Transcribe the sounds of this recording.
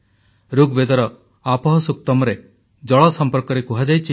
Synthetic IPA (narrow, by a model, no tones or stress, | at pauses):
ɾuɡbed̪ɔɾɔ | apɔɦɔsuk̚t̪ɔmɔɾe | d͡ʒɔɭɔsɔmpɔɾkɔɾekuɦad͡ʒajt͡ʃʰi